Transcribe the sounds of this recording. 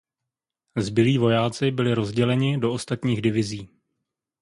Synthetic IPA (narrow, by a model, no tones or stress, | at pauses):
zbɪliːvo̞jaːt͡sɪbɪlɪɾo̞zɟɛlɛɲɪdo̞ʔost̪at̪ɲiːɣdɪvɪziː